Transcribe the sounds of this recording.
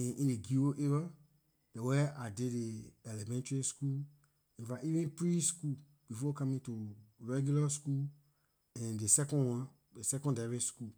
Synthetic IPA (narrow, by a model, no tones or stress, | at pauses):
ɛ̃ĩndeɡioʔeva | dɛwɛadedeɛlɛmɛ̃ntɹiskul | ĩnfaivĩnpɹiskul | b̥ifɔkãmĩtuɹɛɡjulaskul | ɛ̃ndesɛkɔ̃nwãn | desɛkɔ̃ndaɹisku